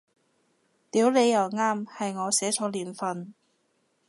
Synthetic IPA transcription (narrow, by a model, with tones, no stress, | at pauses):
t̪iː˨˥wle˨˧jːɐ˨˩wŋaː˥mhɐ˨jŋɔː˨˧sɛː˨˥t͡sɔː˨˧˥liː˨˩nfɐ˨n